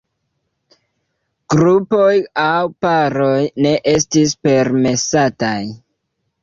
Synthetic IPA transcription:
ɡ̥ɾupo̞jawpaɾo̞jne̞ʔe̞stispe̞ɾme̞sataj

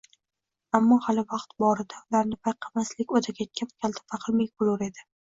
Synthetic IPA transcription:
amːɒhalɪvɑqt̪bɒɾɪd̪aʊlaɾnɪpʰajqʰɑmaslɪkʲot̪ʰaɡʲakʲʰamkʲʰalˠt̪ʰɪ̥faqʰɨlmejkʊlˠʊɾe̞d̪ɪ

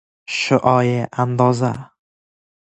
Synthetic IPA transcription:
ʃʊʔɒjɪʔand̪ɒza

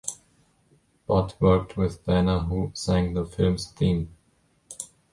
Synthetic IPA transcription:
b̥ʌtʰwɜ˞k̚tʰwɪðbænəɦusæ̃ŋðəfɪlˠmstĩm

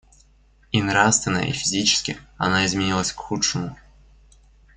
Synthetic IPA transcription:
inɾast̪vʲɪnə̰jə̰ʔḭfʲɪzʲit͡ɕɪ̥skʲɪ̰ɐ̰naɪzmʲɪnʲilˠəsʲkxutʂɨmʊ

